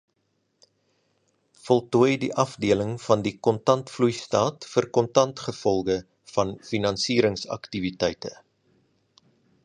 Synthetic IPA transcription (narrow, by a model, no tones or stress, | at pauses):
fɔlˠtuəjdiʔɐfdiələŋfɐndikɔntɐntflujstɑːtfərkɔntɐntχəfɔlˠɡə | fɐnfinɐnsiːɾəŋsɐ̰ktivitɛjtə